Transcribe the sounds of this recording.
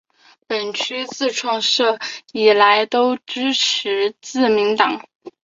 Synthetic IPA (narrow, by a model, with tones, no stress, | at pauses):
pə˨˩nt͡ɕʰy˥t͡sɹ̩˥˧ʈ͡ʂʰwɑ˥˧ŋʂɤ˥˩i˨˩la˧˥ɪt̪o˥ʊʈ͡ʂɻ̩˥ʈ͡ʂ̩ʰ˧˥t͡sɹ̩˥˩mi˧˥ŋt̪ɑ˨˩˦ŋ